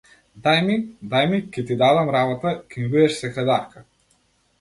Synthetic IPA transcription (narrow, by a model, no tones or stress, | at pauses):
d̪ajmid̪ajmikɛt̪id̪ad̪amɾabɔt̪akɛmbid̪ɛʃsɛkɾɛd̪aɾka